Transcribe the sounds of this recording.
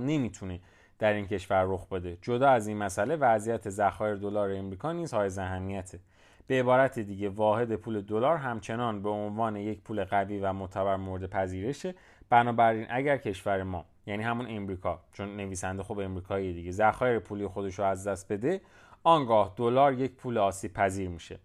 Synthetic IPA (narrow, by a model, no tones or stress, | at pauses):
ne̞mit̪ʰune̞ | d̪̥æɾiːncʰe̞ʃvæɾːoxbe̞d̪e̞d͡ʒo̞d̪ɒːæzinmæsæle̞væzijæt̪ʰe̞zæxɒːjeɾed̪o̞lɒːɾeːmɾiːkʰɒːniːzhɒːjezæɦæmːijæt̪ʰe̞ | b̥eːbɒːɾæt̪ʰed̪iːɟe̞vɒːhe̞d̪e̞pʰuːle̞d̪olɒːɾɦæmt͡ʃʰe̞nɒːnbe̞onvɒːne̞je̞cpʰuːle̞ɣæviːvæmot̪ʰæbæɾmoɾed̪e̞pʰæziːɾe̞ʃe | b̥ænɒːbæɾinʔæɟæɾcʰe̞ʃvæɾemɒ̰ː | jæniːhæmune̞mɾiːkʰɒːt͡ʃʰonːe̞viːsænd̪exobe̞mɾiːkʰɒːied̪iɟe̞zæxɒːjeɾepʰuːlijexo̞d̪e̞ʃɾoæzd̪æst̪̚be̞d̪e̞ | ɒːŋɡɒːhd̪̥olɒːɾje̞cpʰuːleɒːsiːb̥̚pʰæziːɾmiːʃe̞